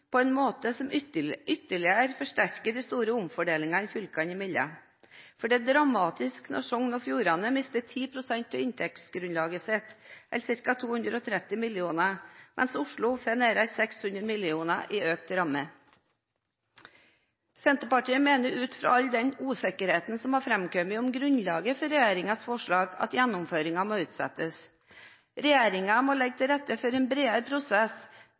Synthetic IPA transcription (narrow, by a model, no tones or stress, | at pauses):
pʰoːɛːnmoːt̪əsɔmʏt̪ːəɭɪəɾfɔʂʈæɾkəd̪iːst̪uːɾəʊmfɔɖeːlɪŋɑɪfʏlkɑnɪmɪlɑ̰ | fɔɖɛːd̪ɾɑmɑːt̪ɪsknɔ̰ɾʂɔŋnɔːfjuːɾɑnəmɪst̪ət̪ʰiːpʰɾʊsɛnt̪ʰːɔɪnt̪ʰɛksɡɾʉnlɑːɡəseːt̪ʔɛ̰lsɪɾkɑt̪ʰuːhʉnd̪ɾəɔt̪ʰɾɛt̪ːɪmɪlɪuːnəmʔɛ̰nsʊʂɭʊfɛneːɾəɾsɛkshʉnd̪ɾəmɪlɪuːnəʔiːøːk̚t̪ɾɑmə | sɛnt̪əpɑʈiːəmeːnəɾʉːt̪fɾɑ̰ːɑʎd̪ɛnuːsɛkəɾheːt̪n̩sɔmɑːɾfɾɛmkœmɪʊmɡɾʉnlɑːɡəfɔɾɛjeːɾɪŋɑsfɔʂɭɑːɡɑ̰t̪jænːʊmføːɾɪŋɑmoːʉːt̪sɛ̰t̪əs | ɾɛjeːɾɪŋɑmoːlɛɡ̚t̪ʰɪɾɛt̪ːəfɔɾeːnbɾeːəɾpʰɾʊsɛs